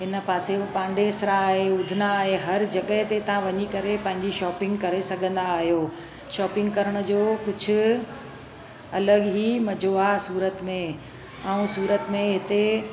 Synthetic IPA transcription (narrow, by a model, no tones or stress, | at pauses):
ɦɪnə̆paːsepãːɳɖesɪɾaːɦeʊd̪ʱɪnaːɦeɦɐɾd͡ʑɐɠəɦɪt̪et̪ɐʋ̤ãʋɐɲikɐɾepɐ̃ɦɪ̃ɲd͡ʑiʃɔːpɪ̃ŋɡkɐɾesɐɡʱə̃nd̪aːɦjoː | ʃɔːpɪ̃ŋɡkɐɾəɽ̃ʊ̆d͡ʑoːkʊd͡ʑʱʊ̆ | ɐləɠɦimɐd͡ʑʱoaːɦsuːɾət̪mẽ | aːũsuːɾət̪mẽɦɪt̪e